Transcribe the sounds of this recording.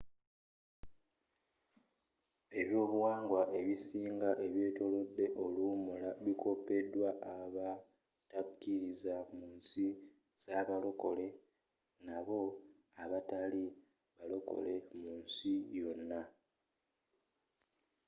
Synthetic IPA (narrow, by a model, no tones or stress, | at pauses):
e̞βjo̞ːβuwaːŋɡwaʔe̞βisiːŋɡaʔe̞βje̞ːto̞lo̞dːe̞ʔo̞lumulaβikʰo̞pe̞dwaʔaβa | takːiɾizamuːnsi | z̥aβalo̞ko̞le̞ | naβo̞ | aβatali | βalo̞ko̞̰le̞muːnsijo̞nːa